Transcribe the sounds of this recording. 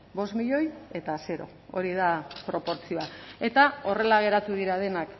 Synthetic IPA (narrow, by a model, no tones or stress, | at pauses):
bo̞smiʎo̞je̞t̪ase̞ɾo̞̰ | oɾið̞apɾo̞po̞ɾt͡sio̞ae̞t̪ao̞re̞laɣ̞e̞ɾat̪uðiɾað̞e̞nak